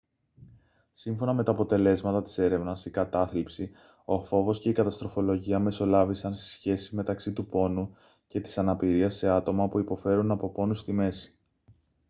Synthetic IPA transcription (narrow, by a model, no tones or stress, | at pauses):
siɱfo̞nɐme̞t̪ɐːpot̪e̞le̞zmɐt̪ɐt̪i̥se̞ɾe̞vnɐsikɐt̪ɐθlipsi | o̞fo̞vo̞sce̞ikɐt̪ɐst̪ɾo̞fo̞lo̞ʝiɐme̞so̞lɐvisɐnst̪i̥sçe̞sizme̞t̪ɐksit̪upo̞nu | ce̞t̪i̥sɐnɐpiɾiɐsːe̞ɐt̪o̞mɐpuipo̞fe̞ɾunɐpo̞po̞nust̪ime̞si̥